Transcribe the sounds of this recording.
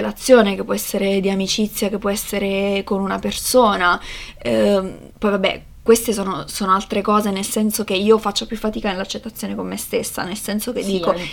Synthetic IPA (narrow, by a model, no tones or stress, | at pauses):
elat̪sːjoːnek̟epːwɔɛsːeɾed̪iamit͡ʃit̪sːjakepːwɔɛsːeɾekonunapersoːna | pɔjvabːɛ̰ | kwest̪es̬oːnosoːnoalt̪ɾekɔːzenelsɛnsok̟eiːofat͡ʃːapjufːat̪iːkanelat͡ʃːet̪ːat̪sːjoːnekomːest̪esːa̰nelsɛnsok̟ed̪ːiːko